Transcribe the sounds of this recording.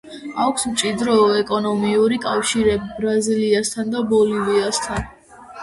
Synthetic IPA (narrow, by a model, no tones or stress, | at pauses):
akʷʰsmt͡ʃʼid̪ɾɔɛkʼɔnɔmiuɾikʼafʃiɾɛbbɾaziliast̪ʰand̪abɔliviast̪ʰan